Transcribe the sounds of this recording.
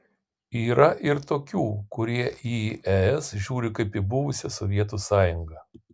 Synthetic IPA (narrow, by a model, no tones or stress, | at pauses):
iːɾɐʔɪɾt̪oːkʲuːkʊɾʲiɛʔiʔɛɛsʒʲuːɾʲɪkɐɪpibʊʋʊsʲɛsɔʋʲiɛt̪̬uːsɑːjʊŋɡɐ